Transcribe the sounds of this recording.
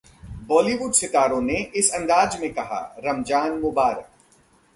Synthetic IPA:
bɔːliʋuɖsɪk̪aːɾõneɪsɐ̃nd̪aːd͡ʒmẽkɐɦa̰ːɾɐmd͡ʒaːnmʊbaːɾək̚

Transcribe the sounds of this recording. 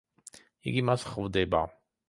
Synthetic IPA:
ḭɡimasχvd̪ɛba̰

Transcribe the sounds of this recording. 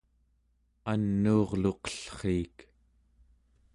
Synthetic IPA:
anːuːʁloqʌ̥ɬχiːk

